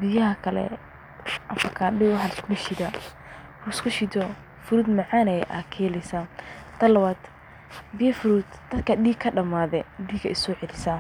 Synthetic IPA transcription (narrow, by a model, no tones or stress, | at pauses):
bɪjɐɦɐkʰɐlɛ̰ | ʔɐfɐkʰaːɖiwħɑlbɪʃɪd̪ɐ | hʊskʰʊʃɪd̪ɔ | fʊɾuːd̪mɐʕɑnɛjʔa̰ːkʰɛːlɛsat̪ʰɐlɐwaːd̪ | bɪjɐfʊɾuːd̪d̪̥ɐd̪kʰɐɗiːkʰːɐɖɐmaːðɛdiːɡɐɪsɔːʕɛlɪsɐ